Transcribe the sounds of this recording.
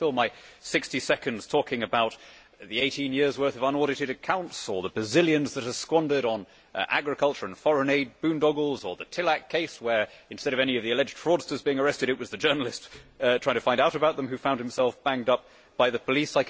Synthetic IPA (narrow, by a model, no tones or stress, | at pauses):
ɪlˠmaɪsɪkstisɛkɨ̃ndz̥tʰɔkɪ̃ŋɨbaʊt̪̚ | ðieɪɾĩnjɪɹzwɜ˞θʌvə̃nɔɹɾɨɾɨɾɨkʰãʊ̃ntsə˞ðəbɹɨzɪlˠjɨ̃nzðɨt̚hə˞skwɑ̃ndə˞ɾn̩ | ʔæ̰ɡɹɨkʰʌlˠt͡ʃə˞ɨ̃nfɑɹɨ̃neɪd̚bʉ̃ndɔɡl̩ˠzə˞ðɨtʰɪlˠækkʰeɪswə˞ɨ̃nstɛɾʌvɛñiʌvðiɨlɛd͡ʒd̥fɹɔdstə˞zbiɪ̃ŋə˞ɛstɨɾɨt̚wʌzðɨd͡ʒɜ˞nl̩ˠɨstʰaɪɪ̃ŋtəfãɪ̃ndaʊɾɨbaʊt̪̚ðə̃mhʉfãʊ̃nd̚hɨ̃m̩sɛlˠfb̥æ̃ŋdʌp̚ | b̥aɪðɨpʰəlisaɪk